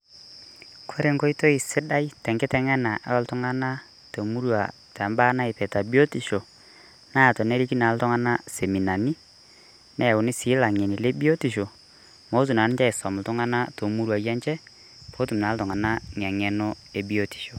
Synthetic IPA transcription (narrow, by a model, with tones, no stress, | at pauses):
kʰo˦ɾe˨ŋɡo˦i˦to˦i˨sɪ˦da˦ji˦tɛ˨ŋɡɪ˦tɛ˨ŋɛ˦na˨ʔa̰˦ɔ˦ltʊ˦ŋa˦na˦ | to˨mu˦ɾwa̰˨ | tɛ˨mbaː˦na˦ɪ˨pɛ˨ta˨bi˦o˦ti˨ʃo˨ | na˦˨tɔ˨ne˦ɾi˦ki˦na˨˦ltɔ˦ŋa˦na˦se˨mi˨na˨ni˦ | nɛ˦˨ʊ˨nɪ˦sɪ˨˦la˨ŋe˨ni˨le˦bi˦o˦ti˨ʃo˨ | mo˦s̬u˨na˨n˦ɲt͡ʃɛ˦ɪ˨sɔ˨mʊ˨ltʊ˦ŋa˦na˦to˨mu˦ɾwa˨jɛ˦nt͡ʃɛ˦ | pʰo˦tu˨mnaː˨˦ltɔ˨ŋa˨na˦ɲ˨a˨ŋɛ˨nɔ˦ | e˨bi˦o˦ti̥˨ʃo˨